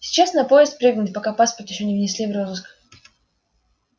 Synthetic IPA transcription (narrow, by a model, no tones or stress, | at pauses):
sʲɪ̥t͡ɕasnɐpo̞ɪst̪̚pɾʲɨɡnʊtʲpɐkapaspərt̪jɪɕːonʲɪvnʲɪsʲlʲivrozɨsk